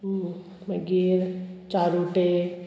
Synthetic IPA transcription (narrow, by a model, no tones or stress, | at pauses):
məɡiɾt͡ʃaːɾuʈe